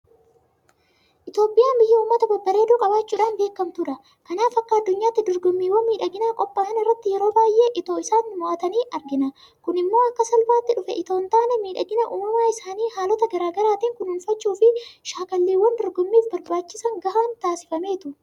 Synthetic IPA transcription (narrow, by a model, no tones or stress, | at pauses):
ʔɪt̪jo̞ːpʼːɪjaːmbɪjːɐuːmːɐt̪ɐbɐbːɐɾe̞ːd̪uːkʼɐbaːt͡ʃːuːᶑaːnbe̞ːkːɐmt̪ʊɾɐ | kɐnaːfɐkːɐɐd̪ːʊɲːaːt̪ːɪd̪ɔɾɡʊmːiːwɐnmiːᶑɐɡɪnaːkʼɔpːaːhɐnɪrːɐt̪ːɪjɛɾo̞ːbaːjʔe̞ːʔɪt̪o̞ːɪsaːnːɪmʊʔɐt̪ɐniːʔɐɾɡɪnɐ | kʊnɪmːo̞ːɐkːɐsɐlbaːt̪ːɪᶑʊfɛ̰ʔɪt̪o̞ːnt̪aːnɛmiːᶑɐɡɪnɐʔuːmɐmaːɪsaːniːhaːlɔt̪ɐɡɐɾaːɡɐɾaːt̪iːŋkʊnhʊnfɐt͡ʃːuːfɪʃaːkɐlːiːwːɐnd̪ɔɾɡʊmːiːfbɐɾbaːt͡ʃːɪsɐŋɡɐhaːnt̪aːsɪfɐme̞ːt̪ʊ